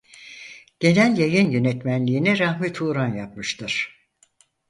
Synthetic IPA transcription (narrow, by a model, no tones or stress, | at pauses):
ɟ̥e̞nælʲjajɯnjø̞nɛt̪mænlʲiːnɛɾahmit̪ʰuːɾanjap̚mɯʃt̪ʰɯɾ̥